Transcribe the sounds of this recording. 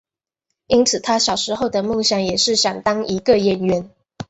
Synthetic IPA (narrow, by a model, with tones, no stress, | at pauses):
i˥nt͡sʰɹ̩˨˩t̪ʰa˥ɕjɑ˨˩ʊʂɻ̩˧˥xo˥˩ʊd̪ə˩mo˥˩ŋɕjɑ˨˥ŋjɛ˨˩ʂɻ̩˥˩ɕjɑ˨˩ŋt̪ɑ˥ŋi˧˥ɡə˧jɛ˧˥nɥɛ˧˥n